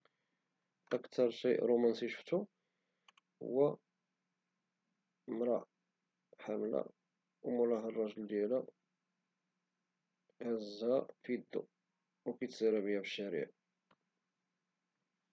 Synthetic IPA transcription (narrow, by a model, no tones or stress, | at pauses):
ʔəkt̪ʰɑɾˤʃiʔɾomænsiʃə̥ft̪u | hʊ̰wːæ | mɾˤɑ̰ʔ | ħamlæ̰ | wmʊlɑɦərˤːɑʒəld̪jælæ | ʕəzːæfid̪ːṵ | wkæjt̪siɾæbiæbəʃːæɾḭʕ